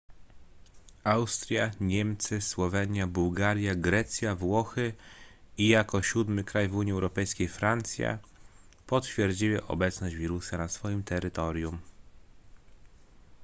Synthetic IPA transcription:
awst̪ɾʲjaɲɛmt̪sɘswɔvɛɲjabuwɡaɾjaɡɾɛt̪sʲjavwɔxɘ | ijakɔɕud̪mɘkɾajvuɲjiɛwɾɔpɛjskʲejfɾant̪sʲja̰ | pɔt̪fʲjɛɾd͡ʑiwɘʔɔ̰bɛt̪snɔʑd͡ʑvʲiɾusanasfɔjimt̪ɛɾɘt̪ɔɾʲjum

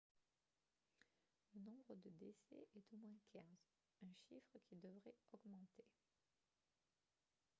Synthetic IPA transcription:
lənɔ̃bʁəd̪əd̪esɛ̰ʔɛt̪omwɛ̃kʲʰɛ̃z | ɛ̃ʃifχəkʲid̪əvʁɛɔɡmɑ̃t̪e

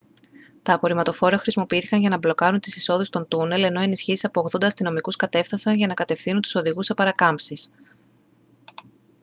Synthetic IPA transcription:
t̪ɐːpo̞ɾimɐt̪o̞fo̞ɾɐxɾisimo̞piiθi̥kɐnʝɐnɐblo̞kɐɾunt̪isiso̞ðest̪o̞nt̪une̞le̞no̞e̞nisçisi̥sɐpo̞ːɣðo̞nd̪ɐːst̪ino̞mikuskɐt̪e̞fθɐsɐnʝɐnɐkɐt̪e̞fθinunt̪u̥so̞ðiɣusɐpɐɾɐkɐmpsis

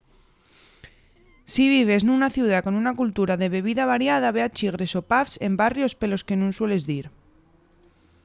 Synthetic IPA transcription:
siβ̞iβ̞e̞znũnaθjuð̞ako̞nunakult̪uɾaðe̞βe̞β̞iðaβ̞aɾjað̞aβe̞at͡ʃiɣɾe̞so̞pafse̞mbarjo̞spe̞lo̞ske̞nũnswe̞le̞zðiɾ

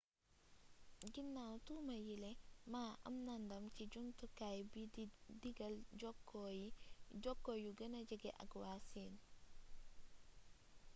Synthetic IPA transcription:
ɡinːawtuːmɐjilɛmaːʔɐ̰mnɐndɐmciɟuŋtukajbdiɡɐlɔkːɔjiɟɔkːojuɡɐnɐɟɐɡɛʔɐ̰kwaːsiːn

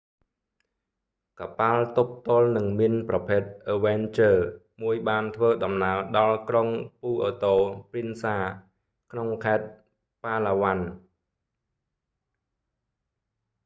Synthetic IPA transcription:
kapalt̪up̚t̪ŏəlnɨŋmiənprɑpʰeːt̪̚ʔəʋɛnt͡ɕəː | muəjɓaːnt̪ʰʋəːɗɑmnaəɗɑlkroŋpuːʔəːt̪oːprinsaː | kʰnoŋkʰaɛt̪̚ | paːlaːʋan

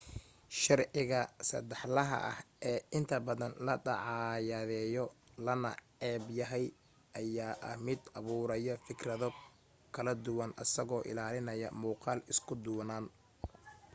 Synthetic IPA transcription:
ʃɑrʕɪɣɐsɐ̰d̪ɛħlɐɦɐ̰ʔɐ̰hʔɛːɪnt̪ʰɐbɐðɐnlɐɖɑʕɑjɐðɛːjɔlɐnɐ̰ʕɛːbjɐɦɛj | ʔɐjaːʔɐhmɪd̪ɐβuːɾɐjɔfɪkrɐðɔ | kʰɐlɐd̪ʊwɐnʔɐ̰sɐɣɔːʔɪ̰laːlɪnɐjɐ̰muːqɑːlɪskʰʊd̪ʊːnaːn

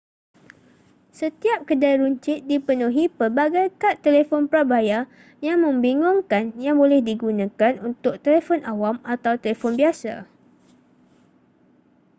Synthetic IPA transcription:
sət̪iap̚kədajɾuɲt͡ʃɪt̪̚dipənũɦipəbaɡajkat̪ːelefɔnpɾabaja | jaŋmə̃mbiŋʊŋkanjaŋbolɛhdiɡunãkanunt̪ʊk̚t̪elefɔnʔawamat̪awt̪elefɔnbiasa̰

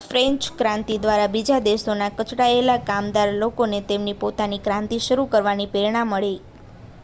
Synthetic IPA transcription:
fɾẽɲt͡ʃkɾãnt̪id̪ʋaɾabid͡ʒad̪eʃonakət͡ʃɽaelakamd̪aɾlokonet̪emnipot̪anikɾãnt̪iʃəɾukəɾʋanipeɾiɳ̃amːəɭe

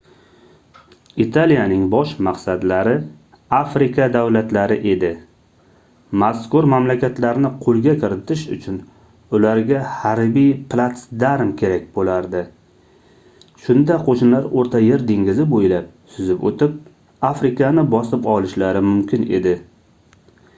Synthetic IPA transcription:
it̪ʰalijanɪŋbɒʃmaqsad̪laɾɪ | afɾɪkʰad̪awlat̪laɾɪʔe̞d̪ɪ | maskʊɾmamlakʲat̪laɾnɪqʰolˠɡʲakʲʰɪɾɪt̪ʰɪʃʊ̰t͡ʃʰʊn | ʊlaɾɡʲahaɾbijplˠat̪sd̪aɾmkʲʰe̞ɾak̚ʲbolaɾd̪ɪ | ʃʊnd̪aqʰoʃɪnlaɾoɾt̪ʰaje̞ɾd̪eŋɡʲɪzɪbojlap̚sʊzɪpo̰t̪ʰɪp̚ | afɾɪkanɪbɒsɪpɒlɪʃlaɾɪmʊmkʲɪne̞̰d̪ɪ

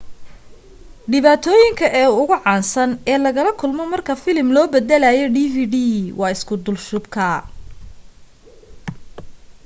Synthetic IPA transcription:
ɖɪβaːt̪ʰɔːjɪŋkʰɐʔɛːʊɣʊʕɑːnsɐnɛːlɐɣɐlɐkʰʊlmɔmɐrkʰɐfɪlɪmlɔːbɛd̪ɛlajɔɖiːviːɖiːwɑːɪskʰʊd̪ʊlʃʊbkʰɐ

